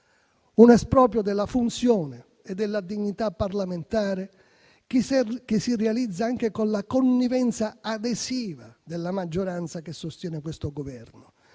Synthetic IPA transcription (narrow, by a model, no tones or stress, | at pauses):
unɛspɾɔːp̬jod̪ɛlːafunt̪sjɔːnɪː | d̪ːɛlːad̪iɲːit̪apːarlament̪aːɾe | k̟ɪsːirealid̪zːaaŋk̟ekonlakonːivɛnt̪saad̪esiːvad̪elːamad͡ʒːoɾant̪sakesːost̪jɛːnɪkwest̪oɡovɛrnʊ